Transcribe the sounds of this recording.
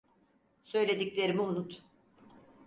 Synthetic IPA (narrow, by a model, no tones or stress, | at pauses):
sø̞jlʲe̞d̪iclʲe̞ɾimiunut̪